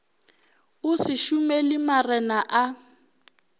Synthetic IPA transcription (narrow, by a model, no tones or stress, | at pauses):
usiʃumɛlimarɛnaʔa